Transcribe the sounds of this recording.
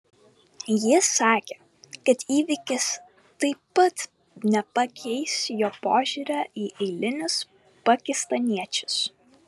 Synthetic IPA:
jɪsɑːkʲeː | kɐt̪iːʋʲɪkʲɪs | t̪ɐɪpːɐt̪ | nʲɛpɐkʲʰɛɪsjoːpoːʒʲuːɾʲaːʔiːʔɛɪlʲɪnʲʊs | pɐkʲɪst̪ɐnʲiɛt͡ʃʲʊ̥s

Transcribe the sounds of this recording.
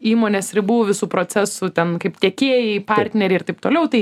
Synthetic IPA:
iːmoːnʲeːsɾʲɪbʊʋoʋʲɪsuːpɾoːt͡sʲæsʊt̪ʲɛnkɐɪpt̪ʲeːkʲeːjɛɪpɐrʲt̪ʲnʲɛɾʲɪɾt̪ɐɪpt̪oːlʲɛʊt̪ɐɪ

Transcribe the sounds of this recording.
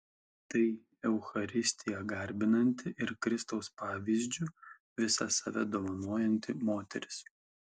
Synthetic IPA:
t̪ɐɪ | ɛʊxɐɾʲɪsʲt̪ʲɪjɛɡɐɾʲbʲɪnɐnʲt̪ʲɪʔɪɾkɾʲɪst̪oʊspɑːʋʲiːzʲd͡ʒʲʊ | ʋʲɪsɐsɐʋʲɛd̪oːʋɐnoːjɛnʲt̪ʲɪmoːt̪ʲɛɾʲɪ̥s

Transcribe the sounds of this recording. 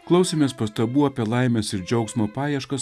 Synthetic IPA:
klˠɐʊsʲemʲeːspɐst̪ɐbuːɐːpʲiɛlˠɑˑɪmʲɛsɪɾd͡ʒʲɛʊksmoːpɑːjɛʃkɐs

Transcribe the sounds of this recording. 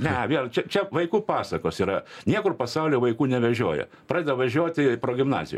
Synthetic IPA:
nʲɛʋʲiɛlˠt͡ʃʲɛt͡ʃʲɛʋɐɪkuːpɑːsɐkoːsiːɾɐnʲiɛkʊrpɐsɐʊlʲoːʋɐɪkuːnʲɛʋʲɛʒʲuɔjɛ̰ | pɾɑːdʲɛd̪ɐʋʋɐʒʲuɔt̪ʲɪpɾoːɡʲɪmnɑ̰ːzʲɪ̰jo̰ː

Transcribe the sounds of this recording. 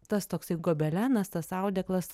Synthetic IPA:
t̪ɐst̪oːksɐɪɡoːbʲɛlʲæːnɐst̪ɐsɑˑʊd̪ʲɛklˠɐs

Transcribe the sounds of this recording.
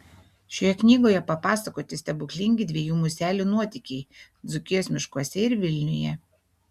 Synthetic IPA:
ʃʲoːjɛknʲiːɡoːjɛpɐpɑːsɐkoːt̪ʲɪsʲt̪ʲɛbʊklʲɪŋʲɡʲɪd̪ʲʋʲiɛjuːmʊsʲæːlʲunuɔt̪ʲɪˑkʲɛɪd̪zʊkʲɪjoːsʲmʲɪʃkoɔsʲɛɪɾʋʲɪlʲnʲʊjɛ

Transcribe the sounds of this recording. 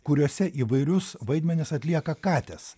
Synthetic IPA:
kʊɾʲuɔsʲɛʔiːʋɐɪɾʲʊsʋɐɪd̪ʲmʲɛnʲɪsɐt̪ʲlʲiɛkɐkɑːt̪ʲɛs

